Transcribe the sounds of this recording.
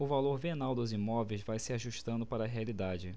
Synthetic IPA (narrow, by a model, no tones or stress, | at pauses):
ʊvaloɾvenawd̪ʊzimɔvejzvajsɪaʒuʃt̪ɐ̃nd̪ʊpaɾɐːɦealid̪ad͡ʒɪ